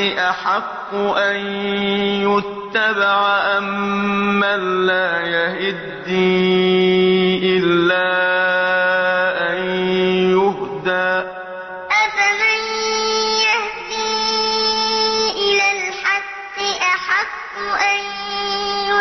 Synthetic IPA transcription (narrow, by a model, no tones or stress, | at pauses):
ɪʔaħɑqːʊʔan | jʊt̪ːabaʕaʔamː | anlaːjahɪd̪ːi | ʔɪlːaː | ʔanjʊhd̪aː | ʔafamanjahd̪iː | ʔɪlaːlħɑqːɪʔaħɑqːʔan | jʊ